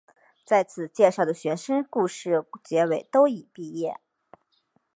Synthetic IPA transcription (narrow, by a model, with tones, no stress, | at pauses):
t͡sa˥˩ɪt͡sʰɹ̩˨˩t͡ɕjɛ˥˧ʂɑ˥˩ʊd̪ə˩ɕɥɛ˧˥nʂə˥ŋku˥˧ʂɻ̩˥˩t͡ɕjɛ˧˥we˨˩ɪt̪o˥ʊi˨˩pi˥˧jɛ˥˩